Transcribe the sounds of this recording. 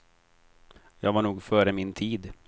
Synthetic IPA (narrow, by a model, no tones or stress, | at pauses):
jɑːɡvaɳuːɡfœːɾəmɪnt̪ʰiːd̪